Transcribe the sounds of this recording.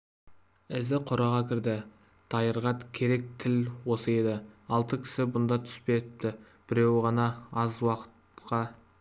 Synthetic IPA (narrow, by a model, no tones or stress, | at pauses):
ɪzɪqʰʊɾɑʁɑkʲʰɪɾd̪ɪ | d̪̥ɑjəɾʁɑt̪kʲʰe̞ɾe̞k̚t̪ʰɪlwo̞səje̞d̪ɪɑlˠt̪əkʲʰɪ̥sɪbʊnd̪ɑt̪ʰʏ̥spe̞t̪ɪp̚t̪ɪ | b̥ɪɾe̞wʁɑnɑɑzwɑqə̥t̪qɑ